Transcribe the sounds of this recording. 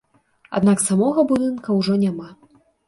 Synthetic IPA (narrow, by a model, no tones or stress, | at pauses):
a̰d̪naksamɔɣɐbud̪ɨnkɐwʐɔnʲama